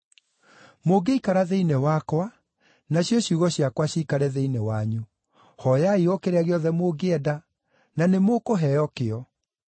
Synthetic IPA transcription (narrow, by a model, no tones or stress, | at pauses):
moɡeikaɾaðeinɛwakwa | naɕjɔɕjuɣɔɕjakwaɕiːkaɾɛðeinɛwaɲu | hɔjaiɔkeɾɛaɣeɔðɛmoɡeɛda | nanemokoɦɛjɔkeɔ